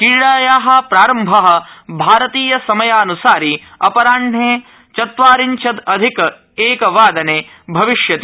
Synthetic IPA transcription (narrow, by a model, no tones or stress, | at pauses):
kiːɭaːjaːɦɐ̆pɾaːɾɐmbʱɐɦɐ̆bʱaːɾɐt̪iːjɐsɐmɐjaːɐnusaːɾi | ɐpɐɾaːɳɖeː | t͡ʃɐt̪ʋaːɾiɲt͡ʃʰɐd̪ɐd̪ʱik | eːkɐʋaːd̪ɐneː | bʱɐʋiʃjɐt̪i